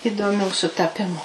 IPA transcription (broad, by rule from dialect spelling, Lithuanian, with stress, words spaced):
ɪdoːˈmʲuː sʊtɐˈpʲɪmʊ